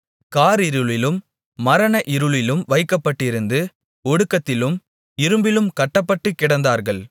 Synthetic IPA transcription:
kaːɾɪɾɯɭɪlɯmː | ɐɾɐnɐʔɪɾɯɭɪlɯmʋɐɪkːɐpːɐʈːɪɾɯnd̪ɯ | ɔɽɯkːɐt̪ːɪlɯm | ɪɾɯmbɪlɯmkɐʈːɐpːɐʈːɯkːɪɽɐnd̪aːɾɣɐɭ

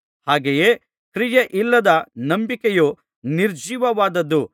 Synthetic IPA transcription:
haːɡejeː | kɾijeʔilːɐd̪ɐnɐmbikeju | niɾd͡ʒiːʋɐʋaːd̪ɐd̪ːu

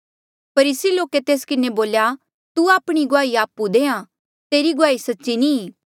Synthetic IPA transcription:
pʰɐɾiːsiloːket̪eːskɪneboːlja | t̪uaːpɽ̃iɡʊaːiaːpud̪eːã | t̪eːɾiɡʊaːisɐtːʃinĩː

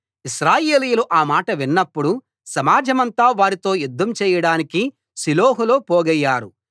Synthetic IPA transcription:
iʃɾaːje̞ːlijuluʔaːmaːʈɐʋinːɐpːuɽu | sɐmaːd͡ʒɐmɐnt̪aːʋaːɾit̪o̞ːjud̪ʱːɐmt͡ʃɛːjɐɽaːniki | siloːɦulo̞ːpoːɡɐjːaːɾu

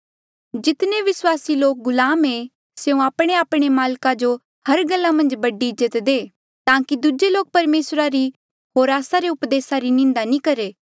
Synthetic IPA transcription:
d͡ʒɪt̪neʋɪswaːsiloːk̚ɡʊlaːme | seũaːpɽ̃eaːpɽ̃emaːlkad͡ʒo | hɐɾɡɐlːamɐ̃nd͡ʒbɐɖiɪd͡ʒət̪d̪eː | t̪ãːkid̪ud͡ʒeloːk̚pɐɾmeːsɾaɾi | ɦoːɾaːsaɾeʊpd̪eːsaɾinɪ̃nd̪anĩkɐɾeː

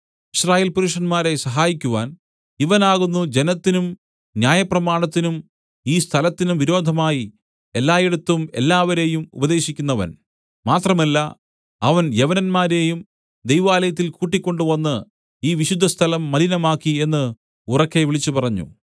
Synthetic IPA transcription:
iɕraːjeːlpuɾuʂɐnmaːɾe̞sɐɦaːjikʲːuʋaːn | iʋɐnaːɣunːud͡ʑe̞nɐt̪ːinum | njaːjɐprɐmaːɳɐt̪ːinum | iːst̪ʰɐlɐt̪ːinumʋiɾo̞ːd̪ʱɐmaːji | e̞lːaːjeɽut̪ːume̞̰lːaːʋɐɾe̞ːjumṵbɐd̪e̞ːɕikʲːunːɐʋɐ̰n | maːt̪rɐmɐlːɐ | ɐʋɐnjeʋɐnɐnmaːɾe̞jum | d̪ejʋaːlɐjɐt̪ːilkuːʈːikʲːo̞ɳɖuʋɐnːɨ | iːʋiɕud̪ʱːɐst̪ʰɐlɐmːɐlinɐmaːkːie̞nːɨ | urɐkːe̞ʋiɭit͡ɕːupɐrɐɲːṵ

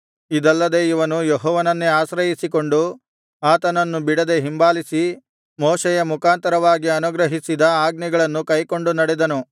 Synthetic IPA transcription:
id̪ɐlːɐd̪e̞ːiʋɐnujeɦɔːʋɐnɐnːeaːsɾɐjisikoɳɖu | aːt̪ɐnɐnːubiɽɐd̪e̞ɦimbaːlisi | mɔːʃɛjɐmukaːnt̪ɐɾɐʋaːɡiɐnuɡɾɐɦisid̪ɐaːɡ̚nɛɡɐɭɐnːukɐjko̞ɳɖunɐɽed̪ɐnu

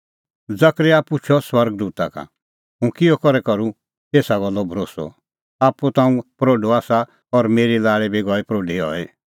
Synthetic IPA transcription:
d͡zɐkɾɛaːput͡ʃʰɔswɐɾɡ̚d̪uːt̪aka̰ | ɦũkiɔkɔɾɛkɐɾu | t̪eːsaɡɔlːɔbʱɾoːsɔ̰ | aːput̪ãːũpɾoːɖoaːsa | ɔɾmeːɾilaːɭɛbiɡɔːɛpɾoːɖeɔ̰ːɛ

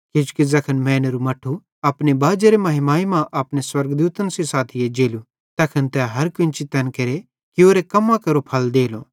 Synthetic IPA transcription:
kɪt͡ʃkid͡zɐkʰənmɛ̃ːnɾumɐʈʰːu | ɐpnebaːd͡ʒeɾemɐɦɪmaːimãʔɐpneswɐɾɡd̪uːt̪ənsisaːt̪ʰɪjed͡ʒeːlu | t̪ɐkʰənt̪ɛɦɐɾkɪ̃nt͡ʃit̪ɐnkɐɾe | kioːɾekɐmːãkɐɾopʰɐld̪eːloː

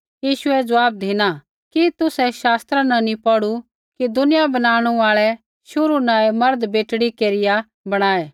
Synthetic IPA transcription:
jiːʃʊɛd͡zɐaːp̚d̪ʱiːna | kit̪ʊsɛʃaːst̪ɾãnɐnĩpɔɽu | kid̪ʊnɪjabɐnaːɽ̃uaːɭɛ | ʃʊɾunaːɛmɐɾd̪beːʈɽikeːɾɪja | bɐɽ̃aːɛː

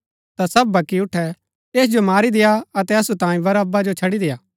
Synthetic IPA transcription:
t̪asɐb̚bʱɐkːiʊʈʰːɛ | eːs̬d͡ʒomaːɾid̪ejaɐt̪ɛɐsut̪ãːĩʋɐɾɐbːad͡ʒot͡ʃʰɐɽid̪ejaː

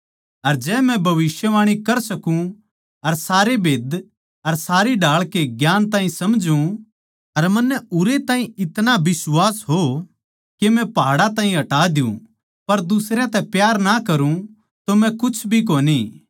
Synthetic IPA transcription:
ɐɾd͡ʒɛːmɛ̃bʱɐʋɪsjəʋaːɽ̃ikɐɾsɐkũ | ɐɾsaːɾebʱeːd̪ | ɐɾsaːɾiɖʱaːɭkeɡjaːnt̪ãːɦĩsɐmd͡ʒũ | ɐɾmɐnːɛʊɾet̪ãːĩɪt̪nabɪswaːsɦo | kemɛ̃paːɽat̪ãːĩɦɐʈaːd̪ɪṵ̃ | pɐɾd̪ʊsɾeãt̪ɛpjaːɾnakɐɾũ | t̪omɛ̃kʊt͡ʃʰbʱik̬oːni

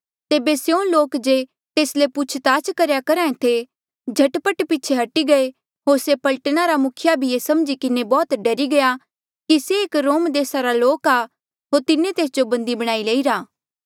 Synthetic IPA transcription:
t̪eːbesjõloːkd͡ʒe | t̪eːslepʊt͡ʃʰt̪aːt͡ʃkɐɾjakɐɾãːẽt̪ʰe | d͡ʒʱɐʈpəʈpit͡ʃʰeɦɐʈiɡɐe | ɦoːɾsepɐlʈənaɾamʊkʰɪjabʱiesɐmd͡ʒikɪnebɔːt̪ɖɐɾiɡɐja | kiseːkɾoːmd̪eːsaɾaloːkaː | ɦoːɾt̪ɪnet̪eːsd͡ʒobɐ̃nd̪ibɐɽ̃aːileːiɾaː

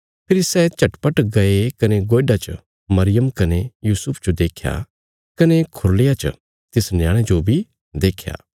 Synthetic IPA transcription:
pʰɪɾisɛt͡ʃɐʈpɐʈɡɐekɐneɡoːɖat͡ʃ | mɐɾɪjəmkɐnejuːsʊpʰd͡ʒod̪eːkʰja̰ | kɐnekʰʊɾlejat͡ʃ | t̪ɪsnjãːɽ̃ed͡ʒobʱi | d̪eːkʰja̰ː

